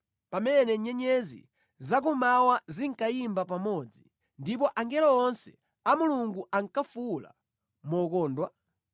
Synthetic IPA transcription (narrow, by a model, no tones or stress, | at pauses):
pamɛnɛɲɛɲɛzḭ | zak̬umawaziŋkajimbapamɔd͡zi | ndip̬ɔʔaŋɡɛlɔɔnsɛ̥ | amuluŋɡuaŋkafula̰ | mɔkɔːndwa